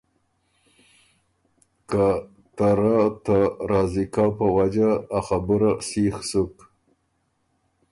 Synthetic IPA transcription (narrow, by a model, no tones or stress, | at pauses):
ka | t̪aɾat̪aɾɑzikawpəwad͡ʒaːxabuɾasixsuk